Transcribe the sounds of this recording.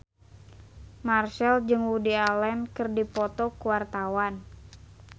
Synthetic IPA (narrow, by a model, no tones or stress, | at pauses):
marʃɛld͡ʒɨŋwudialɛnkɨrdipɔt̪ɔkuwart̪awan